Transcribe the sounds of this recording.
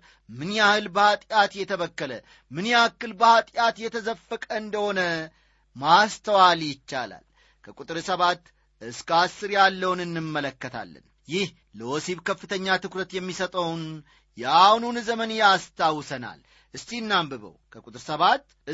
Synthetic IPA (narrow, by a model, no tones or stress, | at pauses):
mɨnjahɨlbəhat̪ʼjat̪jɛt̪ʰəβəkːələ | mɨnjɛakːɨlbəhat̪ʼjat̪jɛt̪ʰəzəfːəkʼəɨnd̪əho̞nə | mast̪ʰəwaljɪt͡ʃːa̰la̰l | kʰəkʼut̪ʼɨɾsəβat̪ | ʔɨskasːɨɾjalːəwnɨnːɨmːələkːət̪ʰa̰lːə̰n | jɪh | ləwɔsiβkʰəfːɨt̪ʰəɲːat̪ɨkɾət̪jɛmːisət̪ʼəwn | jɛʔahnunzəmənjɛast̪ʰawsəna̰l | ʔɨst̪inːambɨβə̰wkʰəkʼut̪ʼɨɾsəβat̪ | ɨ